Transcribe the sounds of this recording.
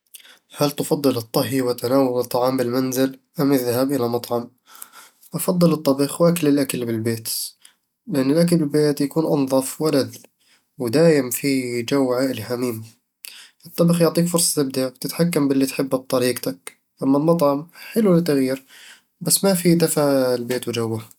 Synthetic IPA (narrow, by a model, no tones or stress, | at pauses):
halt̪fɑd̪ˤːɨlɨt̪ˤːɑɦiwɪt̪ːanaːwʊlɨt̪ˤːɑʕɑːmbɪlmanzɪlʔamjɪðhabʔɪlamɑt̪ˤʕɑm | ʔɑfɑd̪ˤːɨlɨt̪ˤːɑbɪxwʔaklɪlʔaklbɪlbeːt̪ | lɪʔɪnːɪlʔak̬lbɪlbeːt̪jakuːnʔɑnðˤɑfwalad̪ | wd̪aːʔɪmfid͡ʒawːʕaʔɪlħamiːm | ʔɨt̪ˤːɑbɪxjʊʕt̪ˤiːkfʊɾsˤɑ̥t̪ɪb̚d̪awt̪ɪt̪ħakːambɪlːit̪ħɪbːab̚t̪ˤɑɾiːqt̪ak | ʔamːalmɑt̪ˤʕɑmħɪlulɪt̪ːaɣjiːɾ | basːmafid̪afaʔlbeːt̪wd͡ʒawːa